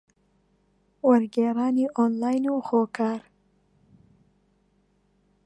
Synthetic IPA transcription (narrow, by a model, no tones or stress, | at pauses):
wɐɾɡeːɾaːniʔoːnlaːjnuxoːkʰaːɾ